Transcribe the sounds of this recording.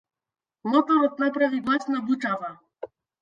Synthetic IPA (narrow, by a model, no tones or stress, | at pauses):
mɔt̪ɔɾɔt̪̚napɾaviɡlˠasnabuʈ͡ʂava